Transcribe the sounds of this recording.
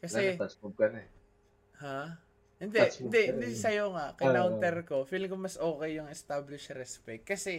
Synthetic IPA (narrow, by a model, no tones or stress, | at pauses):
kɐsɛtt͡ʃkob̚kɐnɛ | ha | hɪnd̪ɛʔɪnd̪ɛʔɪnd̪isɐjoŋaʔkɐjnaw̪t̪ɛɾko̞fiːlɪŋkomɐsʔo̞ːkɛjːʊŋɛst̪ablɪʃɾɛspɛk̚t̪̚kɐsɛ